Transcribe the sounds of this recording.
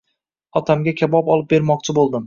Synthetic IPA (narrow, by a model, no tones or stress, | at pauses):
ɒt̪ʰamɡʲakʲʰabɒpɒlˠɪp̚be̞ɾmɒq̚t͡ʃʰɪbolˠd̪ɪm